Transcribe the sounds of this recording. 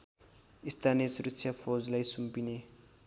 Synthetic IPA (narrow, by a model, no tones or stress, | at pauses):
ist̪ʰaniesurutt͡sʰjafʰod͡zlajsumpine